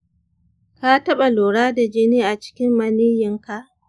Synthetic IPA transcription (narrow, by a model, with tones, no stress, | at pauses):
ka˦tɐ˦ɓa˨loː˨ɽaː˦da˨d͡ʒɪ˦niː˦ʔa˨t͡ʃɪ̥˦kʲɪ˦mːɐ˦niː˦jɪ˦ŋka˦ʔ